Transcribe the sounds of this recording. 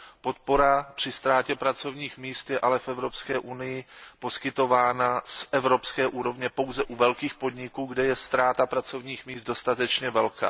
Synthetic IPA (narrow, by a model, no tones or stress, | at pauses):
po̞t̪̚po̞ɾapr̝̥ɪst̪ɾaːcɛpɾat͡so̞vɲiːxmiːst̪jɛʔalɛfʔɛvɾo̞pskɛːʔunɪjɪpo̞skɪt̪o̞vaːnasʔɛvɾo̞pskɛːʔuːɾo̞vɲɛpo̞wzɛʔuvɛlkiːxpo̞dɲɪkuːɡdɛjɛst̪ɾaːt̪apɾat͡so̞vɲiːxmiːsd̪̚do̞st̪at̪ɛt͡ʃɲɛvɛlka̰ː